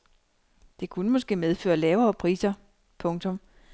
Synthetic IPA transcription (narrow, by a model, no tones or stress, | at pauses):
d̥e̝kʰunəmɒ̽sɡ̥e̝̰ːmeð̞ˠfø̰ːɐlɛːʊɐːpʰʁḭːsɐ | pʰɔ̽ŋt͡sʰɔ̽m